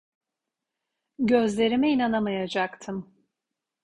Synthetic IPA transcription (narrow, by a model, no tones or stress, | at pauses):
ɟøzlʲe̞ɾimɛinanamajad͡ʒakt̪ʰɯm